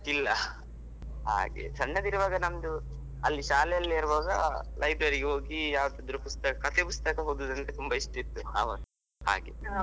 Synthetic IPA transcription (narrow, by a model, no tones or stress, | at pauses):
ilːɐ | ɦa̰ːɡḛt͡ʃɐɳːɐd̪iɾuʋaːɡɐnɐmd̪u | ɐlːiʃaːlɛjɐlːɐɾuʋaːɡɐlʔɐjbɾɐɾiɡeɦo̞ːɡijaːʋɐd̪ɐd̪ɐɾupust̪ɐkɐkɐt̪epust̪ɐkɐɦoːd̪ud̪ɐnt̪et̪umbɐiʂʈit̪ːua̰ːʋɐ̰n | ha̰ːɡḛ